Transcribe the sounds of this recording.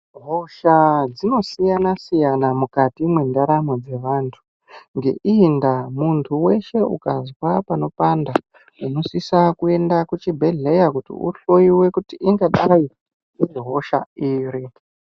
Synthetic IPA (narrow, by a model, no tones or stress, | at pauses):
ɦoʃad͡zino̞sijanasijanamukatimwendaɾamod͡ze̞ʋantʰu̥ | ŋɡe̞̰ʔindamuntʰuwe̞ʃe̞ṵkazwapano̞panda | uno̞sisakue̞ndakut͡ʃibʱe̞ɮe̞jakutḭṵɬoiwe̞kutiʔiŋɡaɗaji | iriɦo̞ʃa̰iːɾi